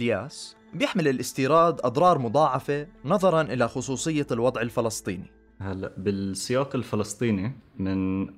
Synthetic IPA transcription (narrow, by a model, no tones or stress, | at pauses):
ljaːs | bjɪħmɪlɪlʔɪst̪iːɾɑːd̪ʔɑd̪ˤɾˤɑːɾˤmʊd̪ˤɑːʕɑfenɑðˤɑɾˤɑnʔɪlaxʊs̬ˤuːsˤɨjːalwɑd̪ˤʕɪlfɪlɑst̪ˤḭːni | halːa̰ʔbɪlsːɪjaːqɪlfɪlɑst̪ˤiːnimɪn